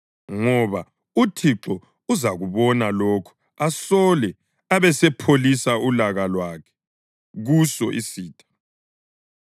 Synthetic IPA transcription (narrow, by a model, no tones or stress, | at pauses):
ŋɔβa | utʰiǁɔ | uzaɣuβɔnalokʰu̥ | asɔlɛ | aβɛsɛpʰolisaulaɣalwakʰɛ̥ | ɣusɔ̰ʔisiːtʰʼḁ